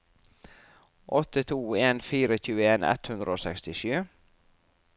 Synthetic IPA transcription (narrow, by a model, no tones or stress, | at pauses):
ʔɔt̪ət̪ʰuːeːnfiːɾəçʉːəeːnɛ̰t̪hʉnd̪ɾʔəoːsɛkst̪ɪʃʉː